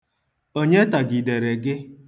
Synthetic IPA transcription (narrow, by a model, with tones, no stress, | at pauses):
o˦ɲe˦ta˨ɡi˨de˨ɾe˨ɡɪ˦